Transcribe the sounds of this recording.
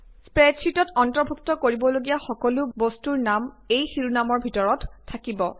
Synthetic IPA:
spɹɛt͡ʃʰitɔtɔntɔɹbʱuktɔkoɹibɔloɡijaxɔkɔlʊbostuɹnam | ejxiɹunamɔɹbʱitɔɹɔtʰːakibɔ

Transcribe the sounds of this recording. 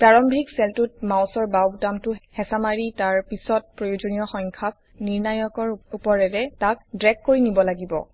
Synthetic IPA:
pɹaɹɔmbʱiksɛltut̚mawsɔɹbawbtamtʊhɛsamaɹitaɹpisɔt̚pɹojod͡ʒonijɔxɔŋkʰak̚ | niɹnajɔkɔɹupɔɹɛɹɛtak̚dɹɛk̚koɹinibɔlaɡibɔ̰

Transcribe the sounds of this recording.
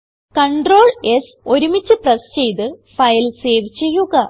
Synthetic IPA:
kɐɳɖro̞ːɭes | o̞ɾumit͡ɕːɨprɐst͡ɕe̞jt̪ɨfɐjlse̞ːʋit͡ɕːejːuɣɐ

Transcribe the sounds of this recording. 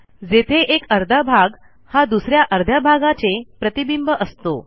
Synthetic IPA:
d͡zet̪ʰeʔekəɾd̪ʱabʱaɡ | had̪usɾjaʔəɾd̪ʱabʱaɡat͡sepɾət̪ibimbəʔəst̪o̰

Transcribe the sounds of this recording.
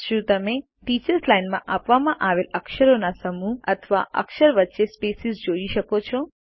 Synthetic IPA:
ʃũt̪əme | ʈit͡ʃəɾslajnmãʔapʋamãʔaʋeləkʃəɾonasəmuət̪ʰʋa̰ʔə̰kʃəɾʋət̪ːʃespesizd͡ʒoiʃəkot͡ʃʰɔ

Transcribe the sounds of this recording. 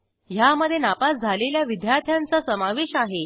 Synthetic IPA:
jaməd̪ʱːjenapasd͡zʱaleljaʋid̪ʱjaɾt̪ʰjant͡səsəmaʋeɕaɦe

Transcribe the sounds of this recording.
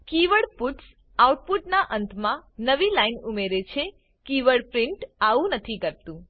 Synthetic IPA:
kiʋəɭpuʈs | auʈ̚puʈnaʔənt̪ʰmãnəʋilainumeɾet͡ʃʰe | kiʋəɭpɾɪ̃ɳʈaʋũnət̪ʰikəɾt̪ũ

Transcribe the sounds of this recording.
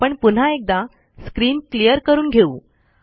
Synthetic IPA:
pəɳpun̤aek̚d̪a | skɾiːnklijəɾkəɾuːnɡʱeuː

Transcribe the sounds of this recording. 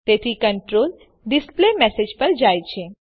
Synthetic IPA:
t̪eːt̪ʰikəɳʈɾoːl | ɖɪsplemɛsed͡ʒpɐɾd͡ʒaːjt͡ʃʰe

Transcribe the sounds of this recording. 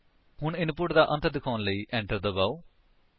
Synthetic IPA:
hʊɳɪnpʊʈd̪aːʔə̃nt̪ʰd̪ɪkʰaːnləiːʔɛ̃ːɳʈəɾd̪əbaːoː

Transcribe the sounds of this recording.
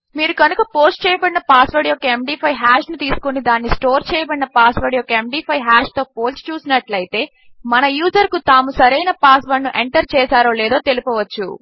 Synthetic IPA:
miːɾukɐnukɐpo̞ːsʈ̚t͡ʃɛːjɐbɐɽinɐpaːsʋɐɖijokɐemɖiːpʰɐjɦaːʃnut̪iːsu̥konid̪aːnːisʈoːɾt͡ʃɛːjɐbɐɽinɐpaːsʋɐːɖjoɔːkɐemɖiːpʰɐjɦaːʃt̪o̞ːpo̞ːsʈt͡ʃuːsinɐʈlɐjit̪e̞ː | mɐnɐjuːzɐɾkut̪aːmusɐɾɐjnɐpaːsʋɐɳnːuʔe̞ɳʈɐɾt͡ʃɛːsaːɾo̞ːlɛːd̪o̞ːt̪e̞lipɔːʋɐt͡ʃːṵ

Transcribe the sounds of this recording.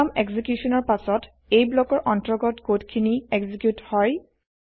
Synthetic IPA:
amɛɡzikjusɔnɔɹpasɔt | ejblɔkɔɹʔɔntɔɹɡɔtɡotkʰiniɛɡzikjuthɔj

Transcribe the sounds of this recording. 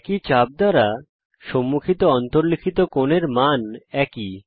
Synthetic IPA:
kit͡ɕab̚d̪aɾa | ʃɔmːukʰit̪oɔnt̪oɾlikʰit̪okoneɾmanɛki

